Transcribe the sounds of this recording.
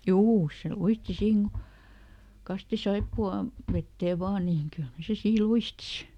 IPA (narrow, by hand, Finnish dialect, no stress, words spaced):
juː se luisti siːn mukɑˑ kɑsti sɑipːuɑ ʋetːeː ʋɑː niːŋ kylhæ se siː luisti si